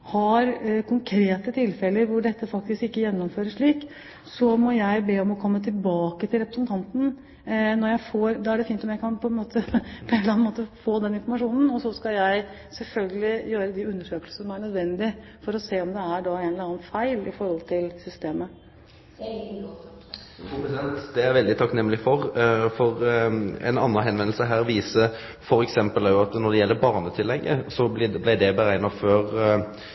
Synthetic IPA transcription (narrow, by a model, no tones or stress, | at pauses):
hɑɾkʰʊŋkʰɾeːt̪ət̪ʰɪlfɛləɾʋʊɖɛt̪ːəfɑk̚t̪ɪskɪkːəjɛnːɔmføːɾəʂɭiːk | sɔmɔjæɪbeːɔmɔkʰɔmːət̪ʰɪlbɑːkət̪ʰɪlɾɛpɾəsnt̪ʰɑnt̪n̩ | nɔɾjæɪfoːɾd̪ɑːæɖɛfiːnt̪ɔmjæɪkʰɑnpʰɔɛnmoːt̪əpʰɔenlɑnmoːt̪əfoːd̪ɛnɪnfɔɾmɑʂuːnn̩ɔsɔskɑjæɪ | sɛlfœlɡəlɪjøːɾəd̪ɪʉnːəʂøːkəlsəsɔmæɳœd̪ʋɛnd̪ɪ | fɔɾɔseːɔmd̪ɛæɖɑeːnlɑnːfæɪlɪfɔɾhɔlt̪ʰɪlsʏst̪eːmə | p̪ɛnt̪d̪ɛæɾʋɛld̪ɪt̪ʰɑknɛmːəlɪfɔʁfɔɾɛ̰nɑ̰nːɑɦɛnʋɛnlsəɦæːʁʋiːsə | fɔɾɛksɛmpəlɑʊɑt̪nɔd̪ɛjɛlːəɾbɑːʁnət̪ʰɪlːɛɡːə̰sɔb̪ɪblæɪd̪ɛbəɾæɪnɑføːɾ